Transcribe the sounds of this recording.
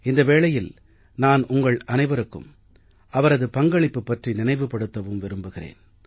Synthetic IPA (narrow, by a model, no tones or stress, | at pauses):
ɪnd̪ɐʋeːɭɐjɪl | naːnʔʊŋɡɐɭɐnɐɪʋɐɾɯkːɯ̰m | ʔɐʋɐɾɐðɯpɐŋɡɐɭɪpːɯpːɐʈrinɪnɐɪʋɯpːɐɽɯt̪ːɐʋɯmʋɪɾɯmbɯɣɪrḛːn